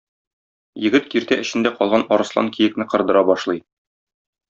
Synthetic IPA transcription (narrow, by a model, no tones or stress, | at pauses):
jɘ̆ɡɘt̪kiɾt̪æʔɘ̆ɕɘ̆nd̪æqɒlˠʁɑnɒɾɤ̆slˠɑ̰ŋkʰijɘ̆knɘqɤ̆ɾd̪ɤ̆ɾɑbɒʃlˠɤj